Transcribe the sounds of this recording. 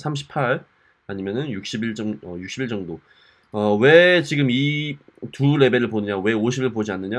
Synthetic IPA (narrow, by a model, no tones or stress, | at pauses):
sʰamɕʰi̥pʰaɭ | aɲimjʌnɯnjuk̚ɕ͈ʰibiɭt͡ɕ͈ʌŋʌjukɕ͈ʰibiɭt͡ɕʌŋdo | ʌwe̞t͡ɕiɡɯmi | tuɾe̞be̞ɾɯɭponɯɲawe̞oɕʰibiɭpod͡ʑianːɯɲa